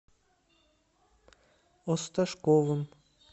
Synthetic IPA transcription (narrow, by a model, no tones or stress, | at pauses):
ost̪aʃkovɨm